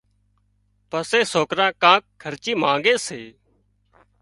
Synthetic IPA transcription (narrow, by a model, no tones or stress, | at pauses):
pəseːsoːkɾãːkãːk̚kʰːəɾt͡ʃiːmãːŋɡeːseː